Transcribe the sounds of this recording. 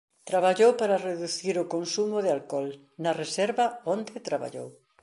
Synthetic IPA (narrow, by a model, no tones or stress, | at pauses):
t̪ɾaβaʎowpaɾɐreðuθiɾʊkonsumʊðɪalkɔl | nɐresɛɾβɐond̪ɪt̪ɾaβa̰ʎo̰w